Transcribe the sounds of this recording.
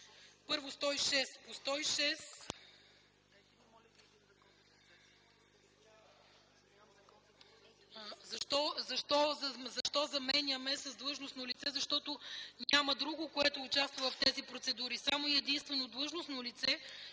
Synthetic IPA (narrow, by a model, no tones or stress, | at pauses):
pɤɾvost̪ɔiʃɛspost̪ɔiʃɛs | zɐʃt̪ɔzɐʃt̪ɔzzɐʃt̪ɔzɐmɛnʲɐmɛsɐzd̪lˠɤʒnosnolit̪sɛzɐʃt̪ɔt̪onʲamɐd̪ɾuɡʊkoɛt̪ʊːt͡ʃast̪vovɐft̪ɛzipɾot̪sɛd̪uɾisamoiɛd̪inst̪vɛnod̪lˠɤʒnosnolit̪sɛ